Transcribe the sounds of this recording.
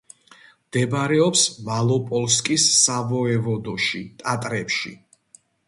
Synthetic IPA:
md̪̥ɛbɾɛɔpsmalˠɔpʼɔlˠskʼisːavɔɛvɔd̪ɔʃit̪ʼat̪ʼɾɛpʃḭ

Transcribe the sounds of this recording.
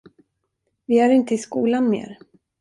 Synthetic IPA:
vɪæɾɪnt̪əɪskuːlanmḛːɾ

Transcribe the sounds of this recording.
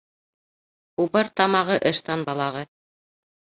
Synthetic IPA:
ubɤɾt̪ɑmɑʁɤʔɤ̆ʃt̪ɑnbɑlˠɑʁɤ

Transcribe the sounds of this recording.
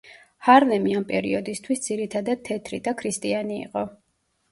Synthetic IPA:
haɾlɛmiampʼɛ̰ɾḭɔd̪ist̪ʰwisd̪ziɾit̪ʰad̪ad̪̥̚t̪ʰːɛt̪ʰɾid̪akʰɾist̪ʼianḭːqʼɔ

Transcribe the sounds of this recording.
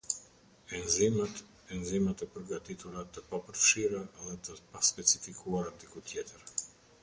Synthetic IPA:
ɛnzimat̪ | ɛnzimat̪ɛpəɾɡat̪it̪uɾat̪əpapəɾfʃiɾaðɛt̪əpaspɛt͡sifikʰuaɾand̪ikut̪ʰjɛt̪əɾ

